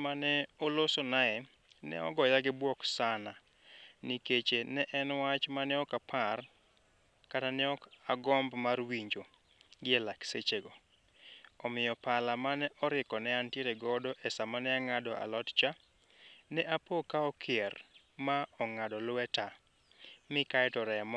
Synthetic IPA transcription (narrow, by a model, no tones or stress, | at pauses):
manɛolosonaɛ | nɛ̰ɔ̰ɡɔjaɡɪbwɔksana | niket͡ʃenɛʔɛnwat͡ʃmanɛɔkapʰar | katanɛɔkaɡɔmbmarwiɲd͡ʒo | ɡɪɛlakset͡ʃeɡo | ɔmɪjɔpalamanɛʔɔɾɪkɔnɛantjeɾeɡɔdɔʔɛsamanɛaŋadɔʔa̰lɔtt͡ʃa | nɛʔapokaɔkʰɪɛr | maɔŋadɔlwɛta | mɪkaɛtɔɾɛmɔ